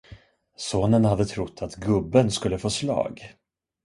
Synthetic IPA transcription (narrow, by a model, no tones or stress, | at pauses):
soːnənhad̪ːət̪ʰɾʊt̪ʰːat̪ɡɵbːənskɵlːəfoːslɑ̰ːɡ